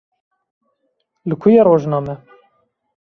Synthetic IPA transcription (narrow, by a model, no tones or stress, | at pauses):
lɨkʰujeɾoːʒnɑːmɛ